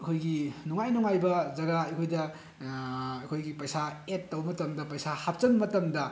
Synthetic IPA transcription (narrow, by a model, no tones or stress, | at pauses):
ɐkʰojɡinuŋajnuŋajbɐzɐɡaɐkʰojdɐ | ɐkʰojɡipɐjsaetːɐwmɐtɐmdɐpɐjsahap̚t͡ʃɐnmɐtɐmdɐ